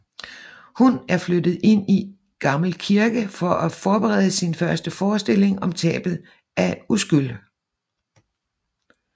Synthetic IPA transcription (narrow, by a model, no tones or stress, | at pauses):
hunæɐflødð̩ˠe̝n̰i | ɡ̥ɑ̈ml̩kʰiɐɡ̥əfɒ̽ʔæfɒːb̥eʁɛ̰ð̞ˠəsinfɶɐsd̥əfɒːsd̥e̝l̰e̝ŋɒ̽mt͡sʰɛ̰ːb̥ð̞̩ˠ | ʔæusɡ̥yl̰